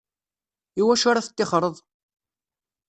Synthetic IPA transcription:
iwæʃaɾaθə̥t̪ːɪχɾˤəðˤ

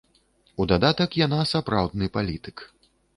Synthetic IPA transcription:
ud̪ad̪at̪ɐkjanasapɾawd̪nɨpalʲit̪ɨ̥k

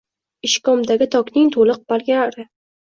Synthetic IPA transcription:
ɪʃkɒmd̪aɡʲɪt̪ʰɒkʲnɪŋt̪ʰolˠɨq̚b̥alɡʲalaɾɪ

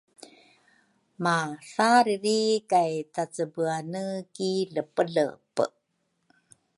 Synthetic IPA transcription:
maɬaɾiɾikajtat͡səbuanəkiɮəpəɮə̰pə̰

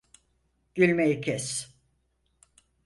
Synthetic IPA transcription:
ɟ̥ylʲmejicʰɛs

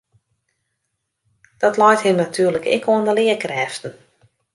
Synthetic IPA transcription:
d̥ɔtlɔjthɪmnatʰyːərləkɛ̰koəndəlɪəkrɛːftən̩

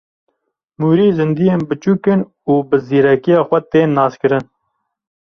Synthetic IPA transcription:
muːɾiːzɨnd̪ijeːnbɨt͡ʃuːkɨn | uːbɨziːɾɛkijɑːxʷɛt̪eːnːɑːskɨɾɨn

